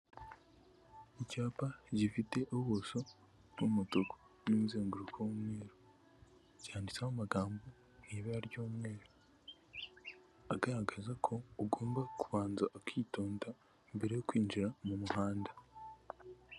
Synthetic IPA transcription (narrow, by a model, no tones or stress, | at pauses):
icaːpaɟifite̞ʔoβoso̞ | n̥umutoko̥ | nimuze̞ːŋɡuɾukʰowomŋe̞ːɾo | ɟihaːndit͡sahomaɡaːmbo | niβeaɾjoːmŋe̞ːɾo | aɡaɾaɡazakʰo̞ːɡo̞ːmbakuβaːnzaʔːkʰiːto̞ːnda | imbe̞ɾe̞jokwiːnd͡ʒiɾamumuɦaːnda